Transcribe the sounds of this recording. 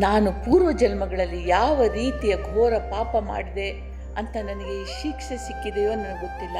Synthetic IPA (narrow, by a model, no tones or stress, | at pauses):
naːnupuːɾʋɐd͡ʒɐlmɐɡɐɭɐlːijaːʋɐɾiːt̪ijɐɡʱɔːɾɐpaːpɐma̰ːɽid̪e̞ | ɐnt̪ɐnɐnɐɡe̞ʃikʂɐsikːid̪ejoːɐnːɐnɐɡɡot̪ːilːɐ